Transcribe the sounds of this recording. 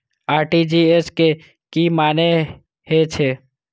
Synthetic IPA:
aːɾʈid͡ʒiːeske | kimaːne | het͡ʃʰeː

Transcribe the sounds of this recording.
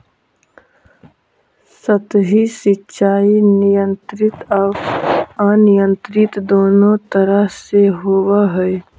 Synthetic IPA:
sət̪ɦisɪtːʃaːinɪjə̃nt̪ɾɪt̪ə | anɪjə̃nt̪ɾɪt̪d̪oːnot̪əɾəɦseɦoːwaɦəe

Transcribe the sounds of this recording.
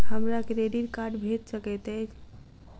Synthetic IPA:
həmɾakeɾeɖiɾkaɾɖbʱet̪səkɛt̪ɛt͡ʃ

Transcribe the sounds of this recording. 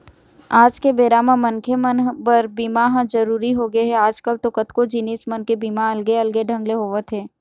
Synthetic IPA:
aːd͡ʒkebeːɾamãmɐnkʰemənbəɾbiːmaɦd͡ʒɐɾuːɾiɦoɡeɦɛaːd͡ʒkəlt̪okət̪kod͡ʒinɪsmənkebiːmaɐlɡeɐlɡeɖʱɐ̃ŋɡleɦoːʋət̪ʰɦɛː

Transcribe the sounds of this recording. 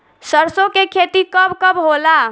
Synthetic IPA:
səɾsokekʰet̪ikəbkəbɦola

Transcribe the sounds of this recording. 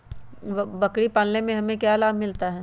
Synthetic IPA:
ʋbɐkɽipaːlnemẽɦɐmẽkjaːɐlaːbmɪlt̪aɦɛː

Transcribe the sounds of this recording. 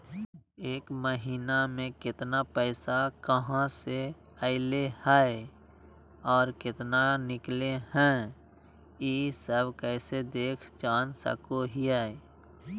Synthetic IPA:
eːkməɦiːnamẽkɪt̪napɛːsakəɦãse | əɪlehaːe | ɔːɾkɪt̪nanɪkleɦɛ̃ | iːsəbkɛːsed̪eːkʰt͡ʃaːnsə̰koɦiaːe

